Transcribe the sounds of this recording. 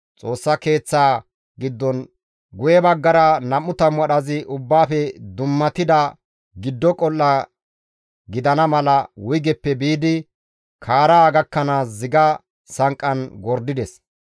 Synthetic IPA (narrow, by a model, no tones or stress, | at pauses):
t͡sʼo̞ːsːɐke̞ːt͡sːaː | ɡɪd̪ːɔn | ɡʊjɛbɐɡːɐɾɐnɐmːʊt̪ɐmwɐɗɐzɪʔʊbːaːfɛd̪ʊmːɐt̪ɪd̪ɐ | ɡɪd̪ːɔkʼɔlːɐ | ɡɪd̪ɐnɐmɐlɐwʊjɡɛpːɛbiːd̪ɪ | kʰaːɾaːɡɐkːɐnaːzɪɡɐ | sɐŋkʼːɐnɡɔɾd̪ɪd̪ɛs